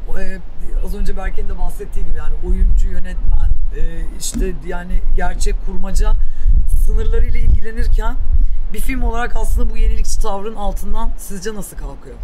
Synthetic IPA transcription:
ɛːazø̞nd͡ʒabælʲcʰind̪ɛbaxsɛt̪ʰːijd̪ʲimjaːnio̞jund͡ʒujø̞nɛt̪mænɛːiʃt̪ʰɛd̪jaːnɪɟæɾt͡ʃʰɛckʰːuɾmad͡ʒasɯnɯɾlˠaɾɯjlʲˠailʲɟilʲe̞niɾcʰænbifilʲmo̞lˠaɾakʰaslɯnd̪abuje̞nilʲic̚t͡ʃʰi̥t̪ʰavɾɯnalˠt̪ʰɯnd̪ansizd͡ʒanasɯlˠkʰalˠkʰɯjo

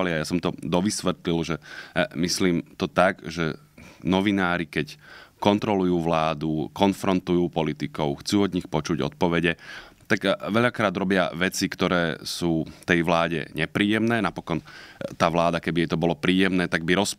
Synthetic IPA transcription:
aliajasɔmt̪ɔd̪ɔʋisʋɛt̪lilʒɛmisliːmt̪ɔt̪aɡʒɛ | nɔʋinaːɾikɛckɔnt̪ɾɔlujuːʋlaːd̪ukɔnfɾɔnt̪ujuːpɔlit̪ikɔʊxt͡suːɔd̪ɲixpɔt͡ʃuɟɔ̰t̪̚pɔʋɛɟɛt̪aɡʋɛʎakɾaːd̪ɾɔbɪa̰ʋɛt͡sikt̪ɔɾɛːsuːt̪ɛjʋlaːɟɛ̰ɲɛpɾiːjɛmnɛːnapɔkɔnt̪aːʋlaːd̪akɛbijɛjt̪ɔbɔlɔpɾiːjɛmnɛːt̪aɡ̚biɾɔs

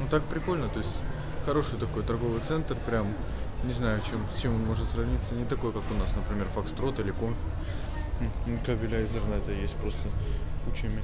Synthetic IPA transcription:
nut̪ak̚pɾʲɪko̞lʲnət̪o̞ɪsʲtʲ | xɐɾo̞ʂɨjt̪ɐko̞jt̪ɐrɡo̞vɨjt̪sɛnt̪rpɾʲam | nʲɪznajʊɐt͡ɕe̞msʲt͡ɕemo̞nmo̞ʐɨt̪srɐvnʲit̪sːənʲɪt̪ɐko̞jkakʊnasnəpɾʲɪmʲe̞rfɐkst̪ɾo̞t̪ilʲɪko̞mfʲɪ | kɐbʲɪlʲaɪzɨrnɛt̪əjesʲt̚ʲpɾo̞st̪əkut͡ɕɪmʲɪ

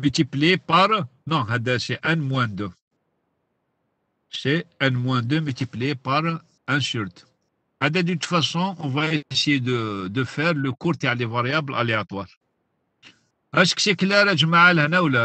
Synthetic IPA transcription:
mət̪iplepaɾˤnɔ̃ɦæd̪æseʔænmwæ̃d̪ø | seʔænmwæ̃d̪əmət̪iplpaɾˤ | ʔæ̃syɾt̪ | hæd̪æd̪yt̪fæsɔ̃ʔɔ̃væesəjed̪əd̪əfɛɾləkuɾt̪aʕlevɑɾjæbəlʔɑ̰liɑt̪ˤwɑl | hæʃkʃekəlæɾæʒmaʕalhnæwlæ

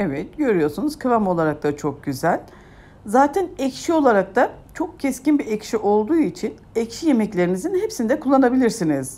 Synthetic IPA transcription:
evɛt̪̚ɟø̞ɾyjo̞ɾsunuz̥kʰɯvamo̞lˠaɾak̚t̪at͡ʃʰo̞k̚ɟyzælʲ | zaːt̪ʰɛnɛcʃio̞lˠaɾak̚t̪at͡ʃʰo̞k̚cʰɛscinbiɛcʃiʔo̞lˠd̪uːit͡ʃʰin | ɛcʃije̞mɛclʲe̞ɾimizinhepsind̪ɛkʰulˠːanabilʲiɾsiniz̥

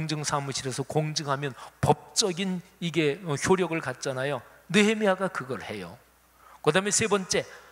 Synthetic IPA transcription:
ŋd͡ʑɯŋsʰamuɕʰiɾesʰʌkoŋd͡ʑɯŋɦamjʌnpʌp̚t͡ɕ͈ʌɡiniɡe̞ʌçʰoɾjʌɡɯɭkat̚t͡ɕ͈anajo | nɯɦemiɦaɡakɯɡʌɭhe̞jo̰ | kɯdaɦɯmesʰe̞bʌnt͡ɕ͈e̞

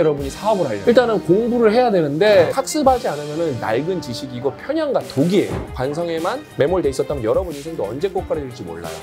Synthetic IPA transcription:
jʌɾʌbuɲisʰaʌbɯɾɦaʎːʌ̰iɭt͈anɯnkoŋbuɾɯɭɦe̞jadwenɯnde̞kʰak̚s͈ɯbad͡ʑianɯmjʌnɯnːa̰ɭɡɯnt͡ɕiɕʰiɡiɡopʰjʌɲaŋɡatoɡie̞̰o̰kwansʰʌŋe̞man | me̞moɭde̞is͈ʌt͈amjʌnjʌɾʌbuɲisʰeŋdoʌnd͡ʑe̞k͈ok̚p͈aɾediɭd͡ʑimo̰ɭːa̰jo̰

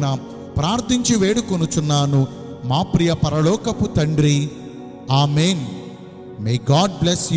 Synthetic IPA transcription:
nɐ | pɾaːɾt̪ʰiɲt͡ʃiʋeːɽukonut͡ʃunːaːnu | maːpɾijɐpɐɾɐlɔːkɐput̪ɐɳɖɾi | aːmeːn | meːɡaːɖ̚bles

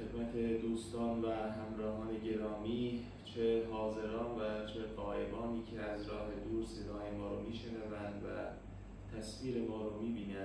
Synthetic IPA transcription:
xe̞d̪mæt̪ʰe̞d̪uːst̪ɒːnvæɦæmɾɒːɦɒːne̞ɟe̞ɾɒːmiː | t͡ʃʰeɦɒːze̞ɾɒːnvæt͡ʃʰe̞ɢɒːʔe̞bɒːniːcʰeæzɾɒːɦe̞d̪uːɾse̞d̪ɒːje̞mɒːɾomiːʃe̞nævænd̪væ̰ | t̪ʰæsfiːɾe̞mɒːɾomiːbiːnæn

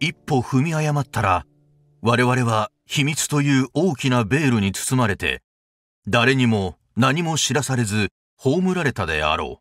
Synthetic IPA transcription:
ipːo̞ɸɯ̟mʲiajamat̪ːaɾa | βaɾe̞βaɾe̞βa | çimʲit͡sɨ̥t̪o̞jɯ̟ːo̞ːkʲinabe̞ːɾɯɲ̟it͡sɨ̥t͡sɨmaɾe̞t̪e̞̰ | d̪aɾe̞ɲ̟imo̞ | naɲ̟imo̞ɕiɾasaɾe̞zɨ | ho̞ːmɯ̟ɾaɾe̞t̪ad̪e̞̰a̰ɾo̞̰ː

